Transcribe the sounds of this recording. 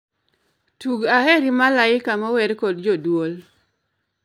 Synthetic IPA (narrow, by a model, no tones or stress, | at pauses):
tuɡahɛɾimalaɪkamawɛdkɔd̚d͡ʒodwol